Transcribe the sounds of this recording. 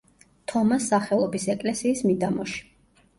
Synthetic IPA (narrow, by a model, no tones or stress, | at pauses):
t̪ʰɔmasːaχɛlˠɔbisɛkʼlɛsiːsmid̪amɔʃi̥